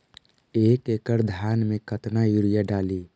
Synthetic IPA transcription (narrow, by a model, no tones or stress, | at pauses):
eːkekəɾd̪ʱjaːnmẽkət̪najuɾijaɖaːliː